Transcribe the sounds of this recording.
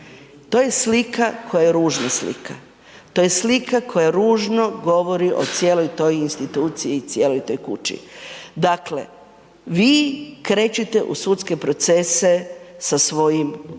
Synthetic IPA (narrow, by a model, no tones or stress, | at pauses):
t̪oje̞slikakʰo̞jajeɾuːʒnaslḭkʰa | t̪ojeslikakʰo̞jaɾuːʒno̞ɡo̞ʋo̞ɾiʔo̰t̪sjeːlo̞jt̪o̞jinst̪it̪uːt̪sijiːt̪sʲje̞ːlo̞jt̪o̞ːjkut͡ʃḭd̪akle̞̰ | ʋiːkɾe̞ːt͡ɕit̪e̞ʔṵsut̪ske̞pɾo̞t̪se̞se̞sasʋo̞jim